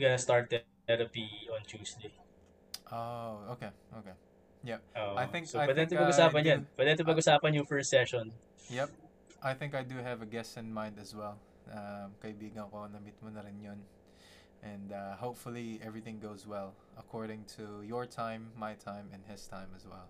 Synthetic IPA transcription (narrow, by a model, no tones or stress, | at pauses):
ɡɐst̪aɹt̪̚ː | ɛɾɐpiɔ̃nt͡ʃuːsd̪ej | ʔookeʔoke | jɛp̚ʔoʔajɪ̃ŋksopɐd̪ɛnt̪opɐɡʊsaːpɐnjɐnpɐd̪ɛ̃nt̪opɐɡʔʊsaːpɐnjʊŋfɛɹst̪sɛʃɔn | jɛp̚ | ʔajθɪ̃ŋkajd̪uɦɛvɐɡɛsɨ̃nmãɪ̃nd̪ɐzwɛlˠ | amkɐɪbiːɡɐ̃nɐkonɐmit̪̚mɔnɐɾɪnjon | ʔɛ̃nd̪ahoʊpfʊlˠiʔɛvɹiθɪ̃ŋɡoʊzwɛlˠ | ɐkʰɔɹdɪ̃ŋt̪ʰujɔɹt̪ʰãɪ̃mːajt̪ʰãɪ̃mɛ̃nhɪst̪ʰãɪ̃mɐzwɛ̰lˠ